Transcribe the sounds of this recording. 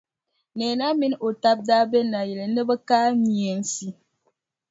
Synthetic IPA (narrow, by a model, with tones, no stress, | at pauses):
nɛː˨na˦mi˦n˦o˨ta˦b̚daː˦bɛ˦na˨jɛ˨le˨nɨ˦bɛ˦kaː˦mi˨ɛ˦n˦si˦